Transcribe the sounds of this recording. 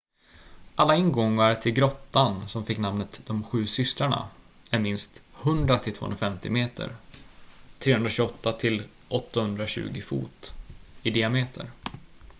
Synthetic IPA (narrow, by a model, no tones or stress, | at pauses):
ʔalːaɪnɡɔŋːaɾt̪ʰɪlɡɾɔt̪ːansɔmfɪkːnamnət̪d̪ɔmɧʉ̟ːsʏst̪ɾaɳa̰ | æɾmɪnst̪hɵnd̪ɾat̪ʰɪlt̪vo̰ːɵ̰nɾafɛmt̪ɪ̰meːt̪ʰə̰ɾ | t̪ʰɾeːhɵnɾaɕɵɔt̪ːat̪ʰɪl | ʔɔt̪ːahɵnd̪ɾaɕʉ̟̰ːɡɪfṵːt̪ɪd̪ɪameːt̪ʰə̰ɾ